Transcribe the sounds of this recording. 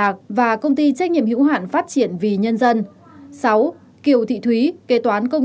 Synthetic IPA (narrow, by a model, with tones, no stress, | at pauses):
aː˨˩k̚vaː˨˩kə˧wŋ͡mt̪i˧t͡ɕɛ˦˥k̚ɲḭ˧˨əmhḭ˧˥wɦa̰ː˧˨nfaː˦˥t̚t͡ɕi˧˩ənvi˨˩ɲə˧nzə˧n | sa˨˦w | ki˨˧˩əwt̪ʰḭ˧˨t̪ʰwi˨˦ke˨˦t̪waː˨˦nkə˧w